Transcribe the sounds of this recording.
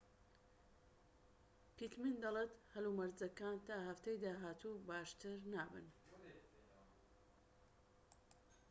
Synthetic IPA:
pit̪mind̪ɐlet̪hɐlumɐɾzɐkaːnt̪aːɦɐft̪ejd̪aːɦaːt̪ʰubaːʃt̪ɨɾnaːbɨ̰n

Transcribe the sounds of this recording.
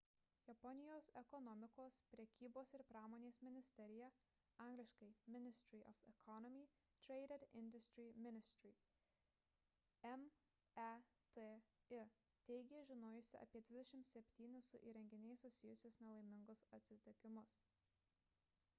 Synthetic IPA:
jɛpɔnʲɪjoːsɛkɔnɔmʲɪkoːspʲɾʲɛkʲiːboːsɪɾpɾɑːmoːnʲeːsmʲɪnʲɪsʲt̪ʲɛɾʲɪjɛ | ɑˑŋɡlʲɪʃkɐɪmʲɪnʲɪsʲt̪ʲɾʲiʔɔfɛkʰɔnɔmʲi | t̪ʲɾʲɛɪɾʲɛd̪ɪ̰nʲd̪ʊsʲt̪ʲɾʲiːmʲɪnʲɪsʲt̪ʲɾʲiː | ɛm | ɛ | t̪e | ɪ | t̪ʲɛɪɡʲeːʒʲɪnoːjʊsʲɪɐ̰pʲiɛd̪ʲʋʲɪd̪ʲɛʃʲɪmt̪sʲɛpʲt̪ʲiːnʲɪsʊʔiːɾʲɛŋʲɡʲɪnʲɛɪsːʊsʲɪjʊsʲʊsnʲɛlˠɐɪmʲɪŋɡʊsɐt̪ʲsʲɪt̪ʲɪkʲɪmʊs

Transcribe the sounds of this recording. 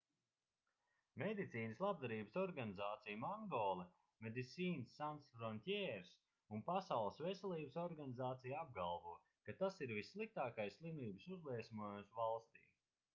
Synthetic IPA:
mɛd̪it̪siːnəslˠab̚d̪aɾiːbəsɔɾɡanizaːt̪sijmaŋɡɔːlˠɛ | med̪isʲiːnsːansɾɔnt̪ʲɛɾs | unpasawlˠəsvɛsɛlˠiːbəsɔɾɡanizaːt̪sijab̚ɡalˠvuɔ | kat̪asiɾvisːlˠik̚t̪aːkajsslˠimiːbsuzlˠiɛsmuɔjumsvalˠst̪ḭː

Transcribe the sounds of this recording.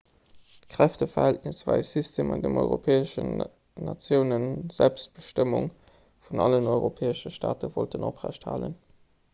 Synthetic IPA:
tkʁ̥æftəfɐhælt̚nɪsvæɪsistʰeːmɑndəmɔʏʁopʰeːəʃə | nɑt͡sjəʊnənz̥ælpst̚b̥əʃtəmuŋ | funɑ̰lənɔɪʁopʰeːəʃəʃta̰ːtəvoltənopʁæ̰ɕtha̰ːlə̰n

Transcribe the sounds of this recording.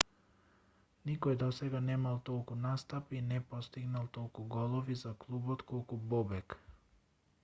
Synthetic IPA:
nikɔjɛd̪ɔsɛɡanɛmalˠt̪ɔlˠkunast̪apinɛpɔst̪iɡnalˠt̪ɔlˠkuɡɔlˠɔvizaklˠubɔt̪kɔlˠkubɔbɛk

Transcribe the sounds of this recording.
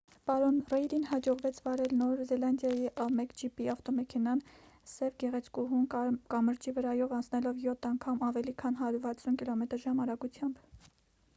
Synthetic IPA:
pɑɾɔnrɛjɾinhɑd͡ʒɔʁvɛt͡sʰvɑɾɛlnɔɾzɛlɑnd̪jɑjiʔɑmɛkd͡ʒipiɑft̪ɔmɛkʰɛnɑn | sɛvɡɛʁɛt͡sʰkuɦumkɑməɾt͡ʃivəɾɑjɔvɑnt͡sʰnɛlɔvjɔt̪ʰːɑŋkʰɑmɑvɛlikʰɑnɦɑɾuɾvɑt͡sʰunkilɔmɛt̪əɾʒɑmɑɾɑɡut͡sʰjɑmb

